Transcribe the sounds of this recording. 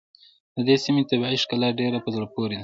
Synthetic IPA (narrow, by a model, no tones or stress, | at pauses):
d̪əd̪esimet̪abaiʃkalaɖeɾapəzoɾapoɾed̪a